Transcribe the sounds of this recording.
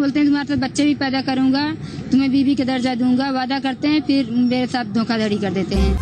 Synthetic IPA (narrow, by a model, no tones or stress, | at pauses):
oːlt̪eɦɛ̃t̪ʊmaːɾesaːt̪̚bətːʃebʱipɛːd̪akɐɾũːŋɡaːt̪omɛ̃biːbiked̪əɾd͡ʒad̪ũːŋ̆ɡaʋaːd̪akɐɾt̪eɦɛ̃ːpʰɪɾmeːɾesaːt̪̚ʰd̪ʱõːkʰad̪ʱəɽikɐɾd̪eːt̪eɦɛ̃ː